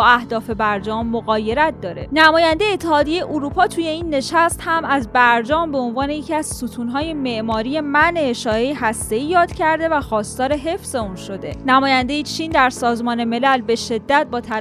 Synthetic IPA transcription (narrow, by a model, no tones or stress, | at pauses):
æhd̪ɒːfe̞bæɾd͡ʒɒːmːoɣɒːje̞ɾæt̪̚d̪ɒːɾe̞næmɒːjænd̪e̞jeːt̪ʰːe̞hɒːd̪ijejeʔuɾuːpʰɒːt̪ʰuːje̞iːnːe̞ʃæst̪hæmæzbæɾd͡ʒɒːmbe̞o̞nvɒːnejecʰiæz̥sut̪ʰuːnɦɒːje̞me̞ʔmɒːɾije̞mæneːʃɒːɾe̞jeɦæst̪e̞iːjɒːd̪̥cʰæɾd̪e̞væxɒːst̪ɒːɾe̞ɦe̞fz̥e̞unʃo̞d̪e̞̰næmɒːjænd̪e̞jet͡ʃʰind̪æɾsɒːzmɒːne̞me̞lælbe̞ʃe̞d̪ːæt̪̚bɒːt̪ʰæ